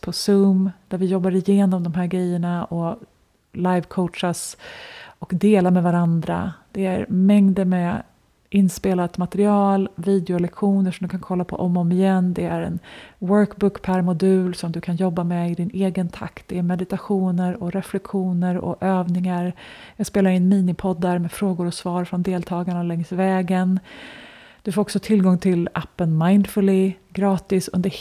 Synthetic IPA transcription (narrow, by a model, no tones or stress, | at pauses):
pʰɔsɵːmd̪̥æɾvɪjɔbːaɾɪjeːnɔmd̪ɔmɦæːɾɡɾɛjːəɳaɔ | lajvkʰɔʊtʂas | ɔkd̪eːlamɛvaɾand̪ɾa̰d̪̥ɛæɾmɛŋd̪əmɛ | ʔɪnːspeːlat̪mat̪ɛɾɪɑːlviːd̪ɛʊlɛkɧuːnəʂɔmd̪ɵkʰankʰɔlːapʰɔ̰ʔɔmːɔmɪjɛnd̪ɛæɾɛ̰nwœɾkbʊkpʰæɾmʊd̪ʉ̟ːlsɔmd̪ɵkʰanjɔbːamɛɪd̪ɪneːɡənt̪ʰa̰kt̪̚d̪ɛæɾmɛd̪ɪt̪aɧuːnəɾɔɾɛflɛkɧuːnəɾɔ̰ʔøːvnɪŋaɾjɑːɡspeːlaɾɪnːmiːnɪpʰɔd̪ːaɾmɛfɾoːɡʊɾɔsvɑːɾfɾɔnd̪eːlt̪ʰɑːɡaɳalɛŋsvɛːɡən | d̪̥ɵfoːɾɔksɔt̪ʰɪlɡɔŋt̪ʰɪlapːənmajnd̪fɵlɪɡɾɑːt̪ɪsɵ̰nd̪ə